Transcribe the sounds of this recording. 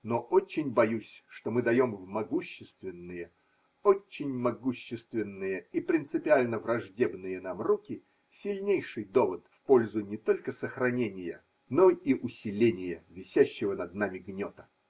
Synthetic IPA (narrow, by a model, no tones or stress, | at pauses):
noʔot͡ɕːɪnʲbɐjusʲʂt̪omɨd̪ɐjo̞mvmɐɡuɕːɪst̪vʲɪnːɨjə | ot͡ɕːɪnʲmɐɡuɕːɪst̪vʲɪnːɨjəipɾʲɪnt̪sɨpʲɪalʲnəvrɐʐdʲe̞bnɨjənamrukʲɪ | sʲɪlʲnʲejʂɨjd̪o̞vət̪fpolʲzʊnʲɪt̪o̞lʲkəsəxɾɐnʲenʲɪjə̰ | noiʔʊsʲɪlʲenʲɪjəvʲɪsʲæɕːɪvənɐd̪namʲɪɡnʲot̪ə̥